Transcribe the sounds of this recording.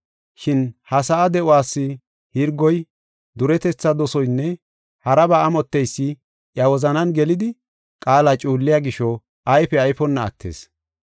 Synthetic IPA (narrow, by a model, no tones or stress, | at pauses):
ʃɪnhɐsɐʔːd̪ɛʔʊwaːsːɪ | hɪɾɡɔj | d̪ʊɾɛt̪ɛt͡sːɐd̪ɔsɔjnːɛ | hɐɾɐbɐɐmɔt̪ːɛjsːɪ | ʔjɐwɔzɐnɐnɡɛlɪd̪ɪ | kʼaːlat͡ʃʼuːlːɪjaːɡɪʃɔ | ʔɐjfɛɐjfɔnːɐ̰ːt̪ːḛːs